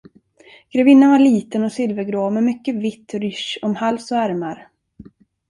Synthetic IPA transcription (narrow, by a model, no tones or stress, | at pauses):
ɡ̥ɾɛvɪnːənvaɭiːt̪ənɔsɪlvəɾɡɾoːmɛmʏkːəvɪt̪ːɾʏʃɔmhalsɔæɾmaɾ